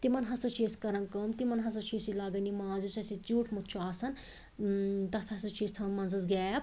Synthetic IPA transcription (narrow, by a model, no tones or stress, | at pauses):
t̪imɐnɦɐsɐt͡ʃʰeːskɐɾɐnkɐmt̪imɐnɦɐsɐt͡ʃʰisilaːɡɐnimaːzut͡sɐsit͡suːʈmut̪̚ʰt͡ʃʰuaːsɐn | t̪ɐt̪ʰɐsɐt͡ʃʰist̪ʰɐmːɐnsɐzɡɛːjɐp